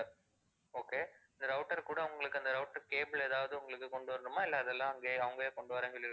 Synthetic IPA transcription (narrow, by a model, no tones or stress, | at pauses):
oːkeːɐnd̪ɐɾɐʊʈːɐɾkuːɽɐʊŋɡɐɭɯkːɯɐnd̪ɐɾɐʊʈːɐɾkeːbɪleːðaːʋɐðɯʊŋɡɐɭɯkːɯkɔɳɖɯʋɐɾɐnɯmaːɪlːɛɐðɛlːãːɐŋɡeːɐʋɐŋɡɐeːkɔɳɖɯʋɐɾãːŋɡɐɭɪɾɯ